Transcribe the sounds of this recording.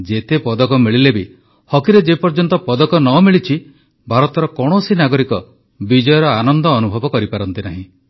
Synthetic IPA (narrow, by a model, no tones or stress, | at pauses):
d͡ʒet̪epɔd̪ɔkɔmiɭilebi | hɔkiɾed͡ʒepɔɾd͡ʒɔnt̪ɔpɔd̪ɔkɔnɔmiɭit͡ʃʰi | bʱaɾɔt̪ɔɾɔkɔɽ̃osinaɡɔɾikɔ | bid͡ʒɔjɔɾɔanɔnd̪ɔːnubʱɔbɔkɔɾipaɾɔnt̪inaɦĩ